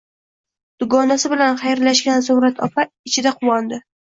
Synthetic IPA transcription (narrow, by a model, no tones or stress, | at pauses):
d̪̥ʊɡɒnasɪbɪlanχajɾlaʃɡʲansʊmɾat̪ʰɒpʰa | ɪt͡ʃʰɪd̪aqʰʊwɒnd̪ɪ